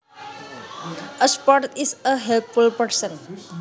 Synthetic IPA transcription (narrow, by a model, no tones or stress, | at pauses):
əspɔɾtisəɦɛlt̪fulpəɾsə̃n